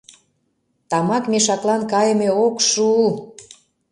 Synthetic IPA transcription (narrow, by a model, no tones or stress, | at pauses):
t̪ɑmɑkmeʃɑklˠɑnkɑjə̆meokʃu